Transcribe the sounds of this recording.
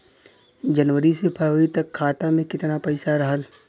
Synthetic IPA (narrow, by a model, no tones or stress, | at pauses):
d͡ʒɐnʋəɾisepʰɐɾʋəit̪ɐkʰːaːt̪amẽkɪt̪napɐɪsaɾɐɦəl